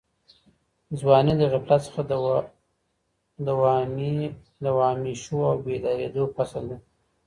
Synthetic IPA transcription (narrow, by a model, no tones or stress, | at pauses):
zwɑned̪əɣaplat̪sə̥xa | d̪əw | d̪awɑmiʃoawbed̪ɑɾḛd̪opasald̪e